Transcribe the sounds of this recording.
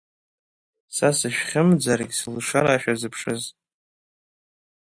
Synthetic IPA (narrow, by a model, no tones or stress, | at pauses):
sasɨʃᶣχʲɪmd͡zarɡʲslʂaɾaːʃᶣazɨpʰʂɨz